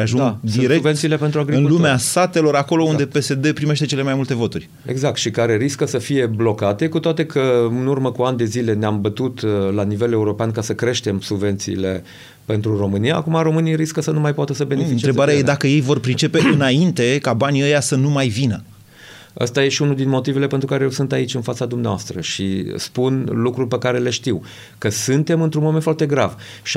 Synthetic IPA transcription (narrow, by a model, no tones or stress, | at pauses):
aʒuŋɡd̪iɾekbvent̪sile̞pent̪ɾuaɡɾiɨnulumeast̪at̪e̞lo̞ɾako̞lo̞und̪e̞pe̞se̞d̪e̞pɾime̞ʃt̪e̞t͡ʃele̞majmult̪e̞vo̞t̪urʲ | eɡzak̚t̪ʃikaɾe̞ɾiskəsəfije̞blo̞kat̪e̞kut̪oat̪e̞kʰəɨnurməkuand̪e̞zile̞neambət̪ut̪lanive̞le̞uɾo̞peankasəkɾe̞ʃt̪e̞msubve̞nt̪siːle̞ | pe̞nt̪ɾuro̞mɨnijaːkumaɾo̞mɨnijɾiskəsənumajpoat̪əsəbe̞nefiɨnt͡ʃeɾebaɾeajed̪akəje̞jvo̞rpɾit͡ʃe̞pe̞ɨnaint̪e̞kabaniəjasənumajvinə | ə̰st̪aje̞ʃiunuld̪inmo̞t̪ive̞le̞pent̪ɾukaɾejewsɨnt̪ait͡ʃʲɨnfat̪sad̪umneaoa̰st̪ɾə̰ʃispunlukɾulpekaɾe̞le̞ʃt̪iw | kəsɨnt̪e̞mɨnt̪ɾunmo̞ment̪fart̪e̞ɡɾav | ʃi